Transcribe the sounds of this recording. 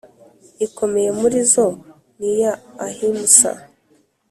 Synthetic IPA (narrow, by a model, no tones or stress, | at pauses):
iko̞me̞je̞muɾizo̞ | nijaːhimusa̰